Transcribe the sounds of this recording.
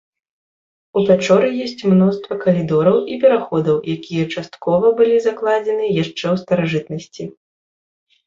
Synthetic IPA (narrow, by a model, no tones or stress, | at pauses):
uvʲat͡ʂɔɾɨjɔsʲt͡sʲmnɔst̪vɐkɐlʲid̪ɔɾɐwʔipʲɛɾaxɔd̪ɐwjakʲijɐt͡ʂast̪kɔvɐbɨlʲizaklˠad͡zʲɛnɨjaʂt͡ʂɛwst̪ɐɾaʐɨt̪nɐsʲt͡sʲi